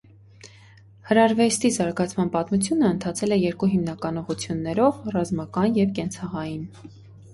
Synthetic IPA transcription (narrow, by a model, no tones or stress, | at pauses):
həɾɑɾvɛst̪izɑɾɡɑt͡sʰmɑnpɑt̪mut͡sʰjunəːnt̪ʰɑt͡sʰɛlɛjɛɾkuɦimnɑkɑnɔʁut͡sʰjunːɛɾɔvrɑzmɑkɑnjɛvkɛnt͡sʰɑʁɑjin